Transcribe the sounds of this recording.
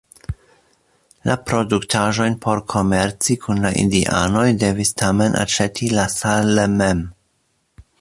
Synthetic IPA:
lapɾo̞duktʰaʒo̞jnpʰo̞ɾkʰo̞me̞ɾt͡sikʰunlaʔḭndiʔa̰no̞jde̞vistʰame̞nʔa̰t͡ʃe̞tʰilasalemem

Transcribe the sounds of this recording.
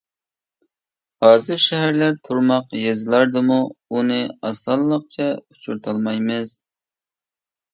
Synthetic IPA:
hɑːzɨɾʃɛɦæɾlæɾt̪ʰuɾmɑqjezɨlˠɑɾd̪ɨmuunɨɑsɑlˠːəq̚t͡ʃʰɛut͡ʃʰuɾt̪ʰɑlˠmɑjmɪz

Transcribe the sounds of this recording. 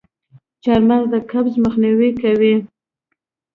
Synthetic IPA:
t͡ʃɑɾmazd̪əkabzməxniwikawi

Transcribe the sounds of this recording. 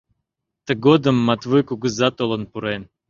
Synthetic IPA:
t̪əɡod̪ə̆mːat̪vɨjkuɡɨzat̪olˠə̆npuɾen

